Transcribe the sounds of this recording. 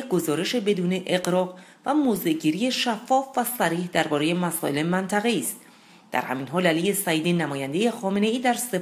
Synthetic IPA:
ɡo̞zɒːɾe̞ʃe̞be̞d̪uːne̞ʔeɣɾɒːb | væmoːze̞ʔɟiːɾijeʃæfːɒːfvæsæɾiːhd̪æɾbɒːɾe̞je̞mæsɒ̰ːʔe̞lemænt̪ʰæɣe̞iːst̪̚ | d̪̥æ̰ɾhæ̰miːnɦɒːlælijesæjiːd̪iːnæmɒːjænd̪e̞je̞xɒːme̞ne̞iːd̪æɾse̞

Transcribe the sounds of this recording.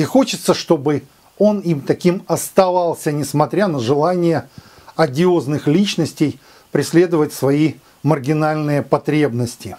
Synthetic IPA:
ixo̞t͡ɕɪt̪səʂt̪o̞bɨ | o̞nimt̪ɐkʲimɐst̪ɐvɑlˠsʲənʲɪsmɐt̪ɾʲanəʐɨlˠanʲɪjə | ɐdʲɪo̞znɨxlʲit͡ɕnəsʲtʲɪj | pɾʲɪsʲlʲe̞d̪əvətʲsvɐi | mərɡʲɪnalʲnɨjəpɐt̪ɾʲe̞bnəsʲtʲɪ

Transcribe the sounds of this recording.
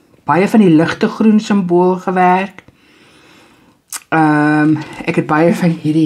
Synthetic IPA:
b̥ɐjəfɐniləχtəχrunsəmbuəlˠχəværk | əmɛkɦɛt̚bɐjəfɐnɦiɾi

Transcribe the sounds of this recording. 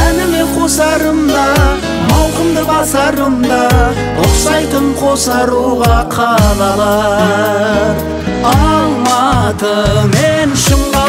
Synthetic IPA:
ænɪme̞qʰo̞sɑɾəmd̪ɑ | mɑwqəmd̪əʁɑsɑɾəmd̪ɑ | ʊqsɑjt̪əɴqʰo̞sɑɾuʁɑqʰɑlˠɑlˠɑ | ɑlˠmɑt̪əme̞nʃəɴʁɑ

